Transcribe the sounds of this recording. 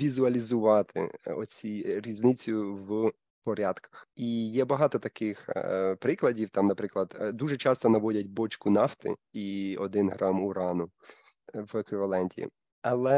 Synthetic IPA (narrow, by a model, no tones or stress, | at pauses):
ʋʲizʊɐlʲizʊʋɑt̪ʰɪ̰ɔ̰t͡sʲiɾʲiznɪt͡sʲʊʋ | pɔɾʲɑd̪kɐ̥xijɛbɐɦɑt̪ɔt̪ɐkɪxpɾɪklˠɐdʲiwt̪ɑmnɐpɾɪklˠɐd̪d̪uʒɛt͡ʃɑst̪ɔnɐʋɔdʲɐtʲbɔt͡ʃkʊnɑft̪ɪ̰iɔd̪ɪnɦɾʔɑmuɾɑnʊ | ʋekʋɪʋɐlˠɛnʲtʲḭ | ɐlˠɛ